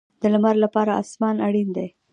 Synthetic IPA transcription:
d̪̥əlamaɾlapɑɾaɑ̰smɑnaɽind̪ej

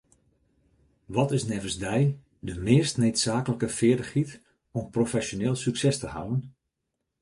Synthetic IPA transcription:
ʋɔtɪsnɛvənsdɛj | dəmɪːstnetsaːkələkəfɪədəχit | ɔmprofɛsjoneːlˠsyksɛstəha̰wən

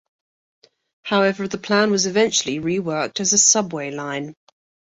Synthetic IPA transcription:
haʊɛvəðəpʰl̥ãnwɒzɪvɛ̃nt͡ʃəliɹiwɜˑk̚təzəsʌbweɪlãɪ̃n

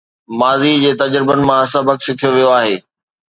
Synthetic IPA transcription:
maːzid͡ʑeːt̪ɐd͡ʑɾɪbənɪ̆mãsɐbəkʃɪkʰijoʋijoaːɦeː

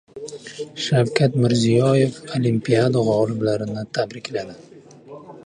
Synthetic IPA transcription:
ʃawkʲʰat̪mɪɾzijɒje̞folimpʰiad̪aʁɒlɪblaɾɪnɪt̪ʰabɾɪkʲlad̪ɪ

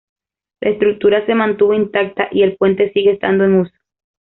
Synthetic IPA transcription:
la̰est̪ɾuk̚t̪uɾase̞mãnt̪uβo̞int̪ak̚t̪aʔie̞lpwe̞nt̪e̞siɣeːst̪a̰nd̪oeŋuso̥

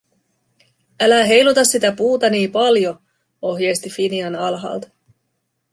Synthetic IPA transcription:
ælæɦe̞jlut̪ɑsːit̪æpuːt̪ɑniːmpɑljo̞ | o̞ɦjejst̪ifiniɑnɑlɦɑ̰ːlt̪ɑ

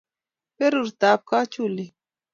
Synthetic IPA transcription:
peɾuɾt̪aːp̚kat͡ʃuli

